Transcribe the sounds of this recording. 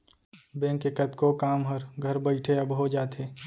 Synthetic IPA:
bẽːŋkːekət̪kokaːmɦəɾɡʱəɾbəɪʈʰeəbɦod͡ʒaːt̪eː

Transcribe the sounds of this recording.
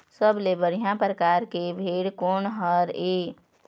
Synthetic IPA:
səbleːbəɾjãpɾəkaːɾkebʱeːɽkoːɳɦəɾeː

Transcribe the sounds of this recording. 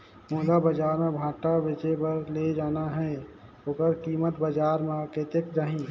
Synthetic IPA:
moːd̪abəd͡ʒaːɾmẽbʱãːʈabet͡ʃebəɾled͡ʒaːnaɦɛ | oːkəɾkimət̪bəd͡ʒaːɾmẽket̪ekd͡ʒaːɦĩ

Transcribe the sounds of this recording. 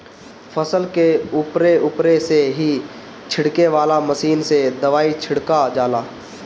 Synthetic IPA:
fʰəsəlkeʊpɾeʊːpɾeseɦi | t͡ʃʰɪɽkeʋaːlaməsiːnsed̪ɐʋaːit͡ʃʰɪɽkad͡ʒaːlaː

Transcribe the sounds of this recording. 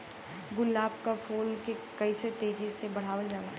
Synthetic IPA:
ɡʊlːaːb̚kafoːnkekɐiset̪eːd͡ʒisebɐɽ̤aːʋəld͡ʒaːla

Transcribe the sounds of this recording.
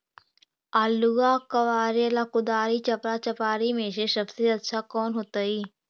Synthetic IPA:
aːlːʊɡakɐʋaːɾijəlakʊd̪aːɾit͡ʃɐpɾat͡ʃɐpaːɾimẽsesɐbseɐtːʃʰakɔːnɦoːt̪aiː

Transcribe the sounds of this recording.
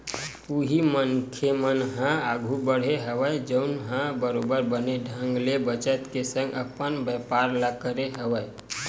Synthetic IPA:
uɦimənkʰemənɦãaɡʱubəɽ̤eɦəʋəd͡ʒəʊnɦãbəɾobəɾbəneɖʱə̃ŋɡlebət͡ʃət̪kesə̃ŋɡəpənbəpaɾləkəɾeɦəʋəe

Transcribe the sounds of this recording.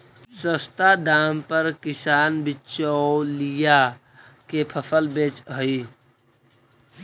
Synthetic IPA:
səst̪ad̪aːmpəɾkɪsaːnbɪt͡ʃɔlija | kepʰəfəlbeːt͡ʃɦəi

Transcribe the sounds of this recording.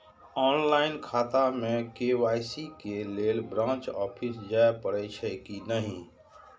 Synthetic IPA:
ɔːnlaɪnkʰat̪amẽkewajsikeleːlbɾãːnt͡ʃɔːpʰisd͡ʒaepəɽɛt͡ʃʰɛkinəɦĩ

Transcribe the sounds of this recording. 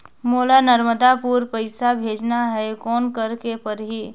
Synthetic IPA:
moːlanəɾməd̪apuɾpəɪsabʱeːd͡ʒnaɦɛekɔːnkəɾkepəɾɦiː

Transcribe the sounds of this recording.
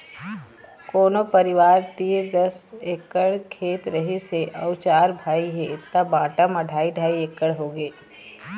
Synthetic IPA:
koːnopɐɾɪʋaːɾt̪iːɾd̪ɐseːkəɽkʰeːt̪ɾɐɦiseʔɐːʊt͡ʃaːɾbʱaːiɦet̪ɐbãːʈamɐɖʱaːiɖʱaːieːkːəɽɦoːɡeː

